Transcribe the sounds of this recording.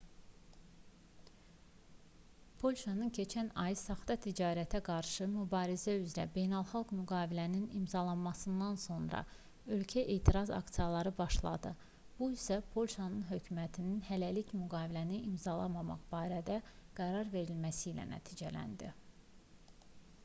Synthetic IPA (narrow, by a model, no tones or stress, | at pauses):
pʰo̞lʲʃɑnɯncʰe̞t͡ʃʰænɑjsɑχd̪ɑt̪ʰid͡ʒɑːɾæt̪ʰæɡɑɾʃɯmybɑːɾizæyzɾæbe̞jnælˠχɑlˠɡmyɡɑːvilæninimzɑlˠɑnmɑsɯnd̪ɑnso̞nɾɑ̰ | ø̞lcʰæʔeːt̪ʰiɾɑzɑ̰kt̪sijɑlˠɑɾɯbɑʃlˠɑ̰d̪ɯ | b̥uisæpʰo̞lʲˠʃɑnɯnɦø̞cʰymæt̪ʰininhælælicmyɡɑːvilæniʔimzɑlˠɑ̰mɑmɑ̰χb̥ɑːɾæd̪æɡ̥æɾɑɾve̞ɾilmæsilæ̰næ̰t̪ʰiːd͡ʒælæ̰nd̪i